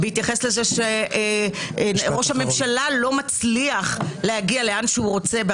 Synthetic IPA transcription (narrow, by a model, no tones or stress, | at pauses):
beit̪jaχeslezeʃeʔ | ʁo̞ʃhame̞mʃalalo̞mat͡sliaχlehaɡialeanʃehuʁo̞t͡se̞b